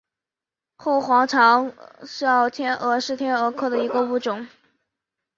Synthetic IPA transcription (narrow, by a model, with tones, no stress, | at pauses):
xo˥˩ʊxwɑ˧˥ŋʈ͡ʂʰɑ˧˥ŋʂ̩˥ɑ˥˩ʊt̪ʰjɛ˥nʔɤ˧˥ʂɻ̩˥˩t̪ʰjɛ˥nɤ˧˥kʰɤ˥˩d̪ə˩i˧˥ɡə˧u˧˥ʈ͡ʂʊ˨˩˦ŋ